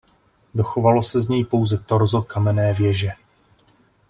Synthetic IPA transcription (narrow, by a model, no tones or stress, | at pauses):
do̞xo̞valo̞sɛzɲɛjpo̞wzɛt̪oɾzo̞kamɛnɛːvjɛʒɛ